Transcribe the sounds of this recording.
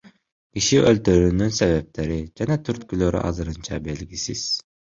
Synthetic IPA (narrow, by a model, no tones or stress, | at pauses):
kʲiʃiʔølʲt̪yɾynynsevɛp̚leɾid͡ʒænɛt̪ʰyɾt̪̚kʲyløɾʔy̰ʔɑ̰zɯɾɯnt͡ʃʰɑ̰belʲɡʲisiz̥